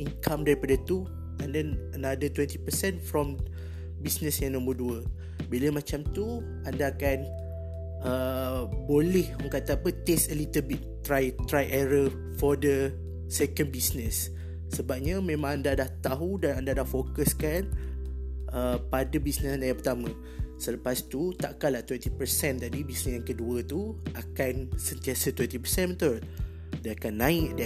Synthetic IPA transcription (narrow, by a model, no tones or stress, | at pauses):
iŋkamdaɾipadət̪u | andaənadət̪wɛ̃nt̪ipəsɛnfɾɔm | bisnəsjãŋnə̃mbuduə | biləmat͡ʃamt̪u | andaːkan | əbolɛhməŋkat̪aːpət̪estəlit̪əlbit̪ː | ɾajt̪ɾajʔɛɾə | fɔdə | sɛkə̃nbisnəsː | əbap̚ɲamẽmãŋandadaht̪aɦudanandadahfokəskan | əpadəbisnəsnajãpərt̪amə̃ | sələpast̪ut̪aʔkalaht̪wɛnt̪ipəɾsɛnt̪adibisnəsjaŋkəduət̪uakansənt̪iasət̪wɛnt̪ipəsɛnmət̪or | daakanːãɪʔd